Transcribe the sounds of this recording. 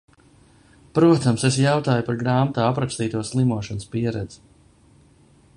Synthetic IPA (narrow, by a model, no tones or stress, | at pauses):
pɾuɔt̪amses̬jawt̪aːjupaɾɡɾaːmt̪aːapɾakst̪iːt̪uɔslˠimuɔʃɔnəspiɛɾɛd̪zi̥